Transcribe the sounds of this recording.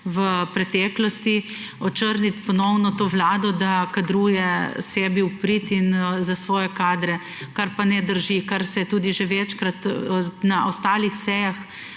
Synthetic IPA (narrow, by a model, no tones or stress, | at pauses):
ʋəpɾɛt̪ɛːklɔst̪i | ɔt͡ʃəɾnit̪pɔnɔwnɔt̪oːʋlaːd̪ɔd̪akad̪ɾuːjɛsɛːbiupɾit̪inzasʋɔːjɛkaːd̪ɾɛ | kaɾpanɛd̪əɾʒikaɾsɛt̪uːd̪iʒeʋɛt͡ʃkɾat̪naɔst̪aːlixsɛːjax